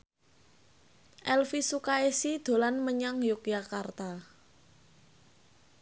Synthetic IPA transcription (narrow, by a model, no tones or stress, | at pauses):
ʔɛlfisukaesid̪̥o̤lanməɲaŋjʊk̚jakart̪a